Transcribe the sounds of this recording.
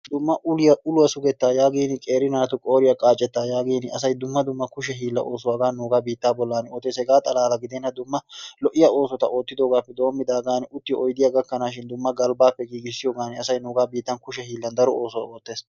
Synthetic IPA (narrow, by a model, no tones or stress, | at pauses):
d̪̥ʊmːɐʔʊlɪjɐʔʊlʊwɐsʊɡɛt̪ːaːjaːɡiːnɪkʼe̞ːɾɪnaːt̪ʊkʼo̞ːɾɪjɐkʼaːt͡ʃʼːɛt̪ːaːjaːɡiːnɐsɐjd̪ʊmːɐd̪ʊmːɐkʊʃɛɦiːlːɐ̰ʔoːsʊwaːɡaːnuːɡaːbiːt̪ːaːbɔlːanoːt̪ːesɛɡaːt̪ʼɐlaːlɐɡɪd̪ɛnːɐd̪ʊmːɐlɔʔɪjɐʔo̞ːsɔt̪ɐʔo̞ːt̪ːɪd̪oːɡaːpːɛd̪o̞ːmːɪd̪aːɡaːnʊt̪ːɪjɔʔɔjd̪ɪjaɡɐkːɐnaːʃ̬ɪnd̪ʊmːɐɡɐlbaːpːɛɡiːɡɪsːɪjoːɡaːnɪɐsɐjnuːɡaːbiːt̪ːɐnkʊʃɛɦiːlːɐnd̪ɐɾɔoːsʊwa̰o̞ːt̪ːe̞ːs